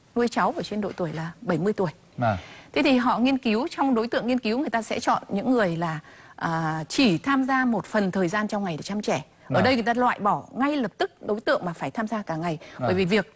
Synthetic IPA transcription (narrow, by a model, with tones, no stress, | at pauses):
nu˧əjt͡ɕa˨˦wʔəː˧˩t͡ɕe˧nɗo̰˧˨t̪u˧˩əjlaː˨˩ɓə˧˩jmɨ˧əjt̪u˧˩əj | t̪ʰe˨˦t̪ʰi˨˩ɦɔ̰˧˨ŋi˧ənki˨˦wt͡ɕɔ˧wŋ͡mɗo˨˦jt̪ɨ̰˧əŋːi˧ənki˨˦wŋɨ˨˩jt̪aː˧sɛ̰˧˥t͡ɕɔ̰˧˨nɲɨ̰˧˥ŋːɨ˨˩əjlaː˨˩ | ʔaː˨˩t͡ɕi˧˩t̪ʰaː˧mzaː˧mo˨˩t̚fə˨˩nt̪ʰəː˨˩jzaː˧nt͡ɕɔ˧wŋ͡mŋa˨˩jɗe˧˩t͡ɕaː˧mt͡ɕɛ˧˩ | ʔəː˧˩ɗə˧jŋ˨˩jt̪aː˧lwa̰ː˧˨jɓɔ˧˩ŋa˧jlə˨˩p̚t̪ɨ˦˥k̚ɗo˨˦jt̪ɨ̰˧əŋmaː˨˩faː˧˩jt̪ʰaː˧mzaː˧kaː˧˩ŋa˨˩jɓəː˧˩vi˨˩vi˨˩ək̚